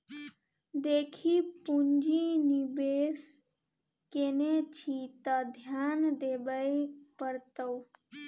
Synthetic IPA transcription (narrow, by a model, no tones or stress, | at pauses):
d̪eːkʰipuɲd͡ʒinibeːs | kenet͡ʃʰit̪ad̪ʱjaːnd̪ebəepəɾt̪əw